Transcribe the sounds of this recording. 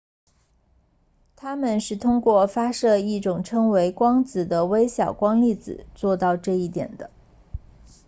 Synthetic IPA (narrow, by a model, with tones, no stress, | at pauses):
t̪ʰa˥mə˨nʂɻ̩˥˩t̪ʰʊ˥ŋkwɔ˥˩fa˥ʂɤ˥˧i˥˩ʈ͡ʂʊ˨˩ŋʈ͡ʂʰɤ˥ŋwe˧˥ɪkwɑ˥ŋt͡sɹ̩˨˩d̪ə˦we˥ɪɕjɑ˨˩ʊkwɑ˥ŋli˥˩t͡sɹ̩̰˨˩t͡swɔ˥˧t̪ɑ˥˧ʊʈ͡ʂɤ˥˧i˥˩t̪jɛ̰˨˩nd̪ə˦